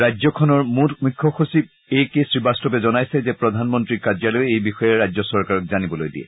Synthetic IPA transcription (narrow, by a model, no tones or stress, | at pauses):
ɹajzɔkʰɔnɔɹmutmukʰːɔxusip̚ | ejkesɹibastɔpɛzɔnajsɛzɛpɹɔdʱanmɔntɹikazjalɔjejbixɔjɛɹajd͡ʑzɔsɔɹkaɹɔk̚zanibɔlojdiɛ̰